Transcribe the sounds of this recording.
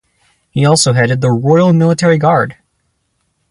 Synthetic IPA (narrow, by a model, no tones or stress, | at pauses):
hiɔlˠsoʊɦɛɾɨd̪̚ðəɹɔɪl̩ˠmɪlˠətʰɛɹiɡɑɹd̥